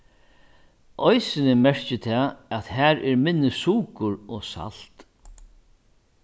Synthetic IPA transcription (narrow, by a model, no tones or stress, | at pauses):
ʔɔjsɪnɪmɛɹ̥t͡ʃɪt̪ʰɛːæt̪hæːɾʔɛɹmɪnːɪsuːkʊɾɔsa̰l̥t̪